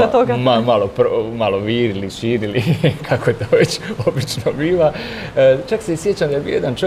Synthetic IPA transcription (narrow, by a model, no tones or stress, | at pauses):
et̪oɡamamalopɾomalo̞ʋiːɾiliʃiːɾilikʰako̞jet̪oʋet͡ɕobit͡ʃnobiːʋa | t͡ʃaksesjet͡ɕamd̪ajebiːojed̪ant͡ʃ